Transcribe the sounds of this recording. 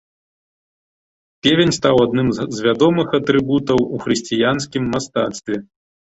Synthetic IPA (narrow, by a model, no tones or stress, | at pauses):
pʲevʲenʲst̪awad̪nɨmzvʲad̪ɔmɨxɐt̪ɾɨbut̪ɐwuxɾɨsʲt͡sʲijanskʲimːast̪at̪st̪vʲɛ